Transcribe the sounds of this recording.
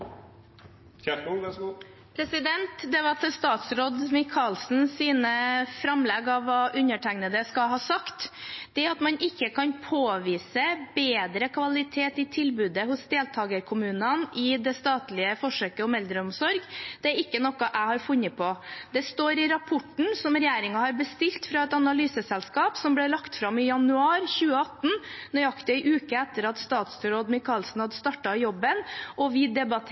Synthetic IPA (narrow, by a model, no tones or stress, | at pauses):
pʰɾɛsɪd̪ɛnt̪d̪ɛʋɑt̪ʰɛst̪ɑːt̪sɾoːd̪mɪkʰɑlsn̩siːnəfɾɑmlɛɡɑʋːɑːʔʉnəʈʰæŋnəd̪əskɑɦɑːsɑkt̪d̪̥ɛæɾɑt̪mɑnʔɪkːəkʰɑnpʰoːʋiːsəbeːd̪ɾəkʰʋɑlɪt̪ʰeːt̪ɪt̪ʰɪlbʉːd̪əhʊsd̪eːlt̪ʰɑːɡəɾkʰʊmʉːnənɪd̪ɛst̪ɑːt̪lɪəfɔʂøːkəɔmɛld̪ɾəɔmsɔɾɡd̪̥ɛæɾɪkːənɔkːɑʔæɪhɑɾfʉnːəpʰɔd̪ɛst̪oːɾɪɾɑpʰɔʈɳ̩sɔmɾɛjeːɾɪŋɑhɑɾbəst̪ɪlt̪fɾɑɛt̪ɑnɑlyːsəsɛlskɑːpsɔmblɛɭɑkt̪fɾɑmɪjɑnʉɑːɾçʉːəɑt̪ːn̩nɔjɑkt̪əɪʔʉːkəɛt̪ːəɾɑt̪st̪ɑːt̪sɾoːd̪mɪkʰɑlsn̩hɑd̪əst̪ɑʈːɑjɔbːənɔʋɪd̪ɛbɑt̪ʰ